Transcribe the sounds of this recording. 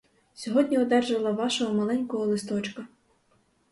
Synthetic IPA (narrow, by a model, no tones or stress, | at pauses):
sʲɔɦɔdʲnʲiɔd̪ɛrʒɐlˠɐʋɑʃɔɦɔmɐlˠɛnʲkɔɦɔlˠɪst̪ɔt͡ʃkɐ